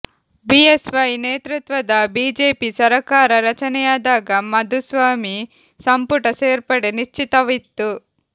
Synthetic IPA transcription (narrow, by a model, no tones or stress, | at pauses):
biesʋɐjneːt̪ɾut̪ʋɐd̪ɐbiːd͡ʒeːpisɐɾɐkaːɾɐɾɐt͡ʃɐnɐjaːd̪aːɡɐmɐd̪ʱusʋaːmi | sɐmpuʈɐseːɾpɐɽeniʃt͡ʃːit̪ɐʋit̪ːu